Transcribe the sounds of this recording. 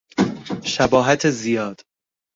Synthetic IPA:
ʃæbɒːɦæt̪ʰezijɒːd̪̥

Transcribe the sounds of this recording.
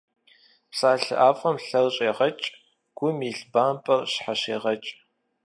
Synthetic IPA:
psaːɬɨ̰ʔaːfʼɐmɬɐrɕʼeːʁɐt͡ʃʼ | ɡ̥ʷʊmiːɬbaːnpʼɐrɕħaɕeːʁɐt͡ʃʼ

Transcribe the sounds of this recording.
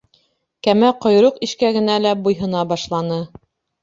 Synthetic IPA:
kæmæqŏjɾɤqiʃkæɡɘ̆nælæbujɦɤ̆nɑbɑʃlˠɑnɤ

